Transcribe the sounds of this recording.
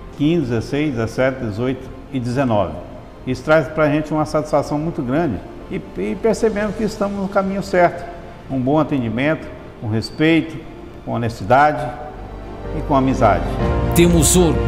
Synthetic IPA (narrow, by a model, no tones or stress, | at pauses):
kĩzɪd̪d͡ʒɪzesejzd̪ɪzesɛt̪ɪd̪ezojt̪ʊ̥ | ɪd̪ɪzenɔ̰vɪ̰ | isʊ̥t̪ɾajzpɾɐʒẽnt͡ʃɪũmɐsat͡ʃi̥sfasɐ̃w̃mũj̃t̪ʊɡɾɐ̃d͡ʒɪ | ɪɪpeɾsebẽnd̪ʊkɪːst̪ɐ̃mʊznʊ̃kamĩɲʊsɛɾt̪ʊ̥ | ũbõw̃at̪ẽnd͡ʒimẽnt̪ʊ̥ | kõɦespejt̪ʊ | kõonest͡ʃid̪ad͡ʒɪ | ɪkõamiza̰d͡ʒɪt̪ẽmʊzoɾ